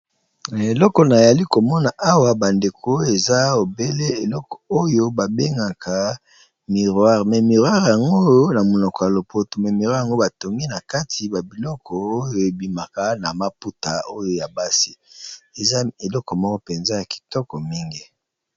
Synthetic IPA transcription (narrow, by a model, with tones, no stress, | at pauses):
e˨lɔ˦kɔ˨na˨ja˨li˦ko˨mɔ˦na˨ʔa˦wa˦ba˨nde˨kʰo˨˦e˨za˦o˨be˦le˦e˨lɔ˦kɔ̥˨o˦jo˦ba˨be˦ŋɡa˨kʰa˨ | mi˨ʁwa˦ʁmɛ˨mi˨ʁwa˦ʁja˨ŋɡo˦o˦na˨mo˨nɔ˨kɔ˨ja˨lo˨pʰo˨to˨mɛ˨mi˨ʁwa˦ja˨ŋɡo˦ba˨to˨ŋɡi˦na˨ka˦tʰi˨ba˨bi˨lɔ˦kʰɔ˨o˦jo˦e˨bi˨ma˨ka˦na˨ma˦pu˦ta˨o˦jo˦˨ja˨ba˦si˦e˨za˦e˨lɔ˦kɔ˨mɔ˦kɔ˦pe˨nza˦ja˨ki̥˨tɔ˦kɔ˨mi˦ŋɡi˦